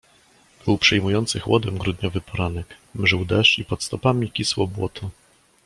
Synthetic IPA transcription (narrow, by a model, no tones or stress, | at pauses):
b̥ɘwpʂɛjmujɔnt̪sɘxwɔd̪ɛmɡɾud̪ɲɔvɘpʰɔɾanɛkmʐɘwd̪ɛʂt͡ʂipɔt̪st̪ɔpamʲikʲiswɔbwɔt̪ʰɔ